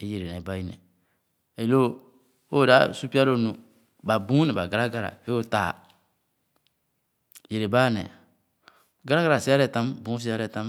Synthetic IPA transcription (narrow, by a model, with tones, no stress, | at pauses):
e˦je˨ɾe˨nɛ˨ba˦i˦nɛ̰˨ | ɛ˨lo˦ | o˦˨da˦su˦pi˦a˦lo˦˨nũ˨ | ba˨bũ˦nɛ˨ba˨ɡa˨ɾa˦ɡa˦˨ɾa̰˨e˦o˦taː˨ | je˨ɾe˨baː˦˨nɛ̰˨ | ɡa˦ɾa˦ɡa˨ɾa˨si˦a˦ɾɛ˨tã˦mbũ˨˦s̬i˦a˦ɾɛ˨tã˦m˦